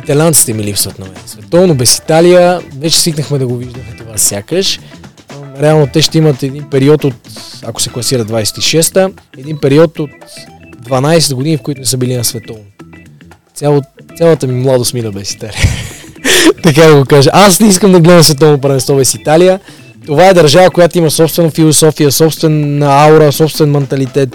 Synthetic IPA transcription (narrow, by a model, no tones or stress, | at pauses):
it̪ɐlʲant̪si̥t̪ɛmilipsvət̪nɐmɛ̰nsvɛt̪ɔvnobɛsi̥t̪alijəvɛt͡ʃɛ̥sviknəxmɛd̪ɐɡoviʒd̪əxɛt̪ovasʲjakəʃ | ɾɛalˠnot̪ɛʃt̪ɛimət̪ɛd̪inpɛɾiɔt̪ot̪ako̥sɛklˠɐsiɾəd̪d̪vajsɛ̥t̪iʃɛst̪əɛd̪inpɛɾiɔt̪ot̪d̪vɐnajsɛd̪ɡod̪inifkoit̪ʊnɛsɤbilinɐsvɛt̪ɔvno | t̪sʲalˠosʲjalˠət̪əmimlˠad̪osminəbɛsi̥t̪aliə | t̪ɐkad̪ɐɡokaʒəʔasnɛiskəmd̪ɐɡlɛd̪əmsvɛt̪̬ɔvnop̬ɾɐvɛnst̪ɔbɛsit̪alijə | t̪ovaɛd̪ɐɾʒavəkojat̪oimɐsɔpst̪vɛnəfilˠosɔfijəsɔpst̪vɛnːəauɾəsɔpst̪vɛnmɛnt̪ɐlit̪ɛt̪